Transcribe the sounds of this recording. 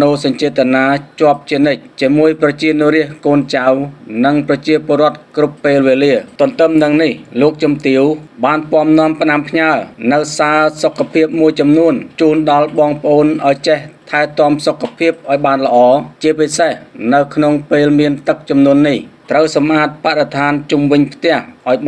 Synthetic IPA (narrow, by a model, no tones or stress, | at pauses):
noːsɑɲt͡ɕiət̪ənaːt͡ɕŏəp̚t͡ɕiənɨc̚t͡ɕiəmuəjprɑt͡ɕiənŭəɾiəhkoːnt͡ɕawnɨŋprɑt͡ɕiəpoəɾŏət̪̚krupːeːlʋeːliət̪ŏənt̪ɨmnɨŋnihloːk̚t͡ɕɨmt̪iəwɓaːnpŏəmnŏəmpənampʰɲaənɨwsaːsokʰːapʰiəp̚muəjt͡ɕɑmnuənt͡ɕuːnɗɑlɓɑːŋpə̆ʔoːnʔaɔjt͡ɕeht̪ʰaɛt̪ŏəmsokʰːapʰiəp̚ʔaɔjɓaːnlə̆ʔɑːt͡ɕiəpisehnɨwkʰnoŋpeːlmiənt̪ɨk̚t͡ɕɑmnuənːiht̪rəwsɑmʔaːt̪̚paɗet̪ʰaːnt͡ɕumʋɨɲpʰt̪ɛ̆əhʔaɔjɓ